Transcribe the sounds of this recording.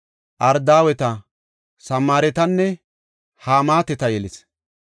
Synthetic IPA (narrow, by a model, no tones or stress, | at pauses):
ʔɐɾd̪aːwɛt̪ɐ | sɐmaːɾɛt̪ɐnːɛ | haːmaːt̪ɛt̪ɐjɛlɪs